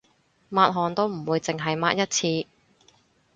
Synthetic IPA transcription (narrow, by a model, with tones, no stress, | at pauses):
maː˧t̚ɦɔː˨˩nt̪o˥wm̩˨˩wuː˧jt͡sɪ˨ŋɦɐ˨jmaː˧t̚jɐ˥t̚t͡sʰiː˧